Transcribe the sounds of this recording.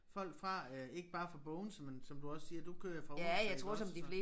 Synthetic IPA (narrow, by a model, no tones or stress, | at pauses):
fɒ̽l̰ɡ̥fʁɑ̈e̝ɡ̥əb̥ɑ̈ːfʁɑ̈b̥ɔ̽ʊn̩smensɒ̽md̥uɒ̽ssiːɐd̥ukʰøɐjafɒæjɑ̈ɪt͡sʰʁo̰ɐsɒ̽md̥ifle̝